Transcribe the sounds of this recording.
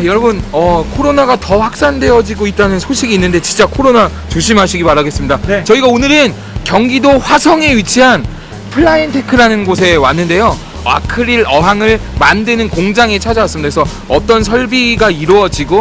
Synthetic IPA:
jʌɾʌbɯnʌkʰoɾonaɡatʌɸwak̚s͈andwe̞ʌd͡ʑiɡoit̚t͈anɯnsʰoɕʰiɡiːnːɯnde̞t͡ɕint͡ɕ͈akʰoɾona | t͡ɕoɕ̬ʰimɦaɕʰiɡimaɾaɡe̞s͈ɯmɲidat͡ɕʌiɡaonɯɾɯn | kjʌŋɡidoɸwasʰʌŋe̞ɥit͡ɕʰiɦan | pʰɯɭːaintʰekʰɯɾanɯnɡosʰe̞wanːɯnde̞jo | a̰kʰɯɾiɾʌɦaŋɯɭmandenɯnkoŋd͡ʑaŋe̞t͡ɕʰad͡ʑawas͈ɯmɲidaesʰʌ | ʌt͈ʌnsʰʌɭbiɡaiɾuʌd͡ʑiɡo

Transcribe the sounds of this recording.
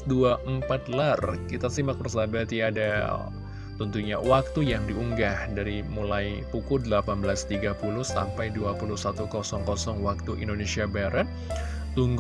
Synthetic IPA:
duaʔəmpat̪larkit̪asimak̚bərsabat̪iada̰ | t̪ɔnt̪uɲawak̚t̪ujaŋdiuŋɡahdaɾimulajpukʊdəlapanbəlast̪iɡapulʊhsa̰mpajduapuluhsat̪ukɔsɔŋkɔsɔŋwak̚t̪uʔḭndonesiabaɾət̪̚ | t̪uŋɡ

